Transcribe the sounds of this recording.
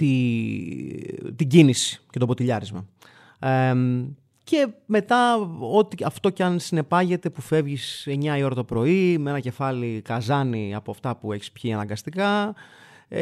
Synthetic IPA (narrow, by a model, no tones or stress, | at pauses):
t̪i | t̪iɟinisi̥ce̞t̪o̞bo̞t̪iʎɐɾizmɐ | e | ce̞me̞t̪ɐo̞t̪iɐft̪o̞cɐnsine̞pɐʝe̞t̪e̞pufe̞vʝise̞ɲɐio̞ɾɐt̪opɾo̞imee̞nɐce̞fɐlikɐzɐniɐpo̞ɐft̪ɐpue̞çi̥spçiɐnɐŋɡɐst̪ikɐ